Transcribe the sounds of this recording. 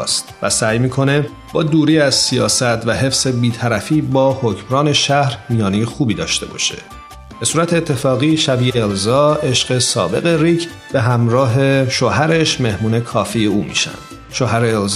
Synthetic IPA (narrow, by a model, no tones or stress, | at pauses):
st̪væ̰sæːjmiːkʰo̞ne̞ | bɒːd̪uːɾiːæzsijɒːsæt̪ʰvæɦe̞fse̞biːt̪ʰæɾæfiːbɒːhocmɾɒːne̞ʃæhɾmijɒːnijxuːbiːd̪ɒ̰ːʃt̪e̞bɒ̰ːʃe̞̰ | b̥e̞suːɾæt̪ʰeːt̪ʰːe̞fɒːɣiːʃæbiːeelzɒːʔe̞ʃɢe̞sɒ̰ːbe̞̰ɣe̞ɾiːcʰ | be̞ɦæmɾɒːɦe̞ʃoɦæɾe̞ʃme̞hmuːnekʰɒːfiːjeuːmḭːʃæ̰nd̪̥ | ʃoːɦæɾeːlz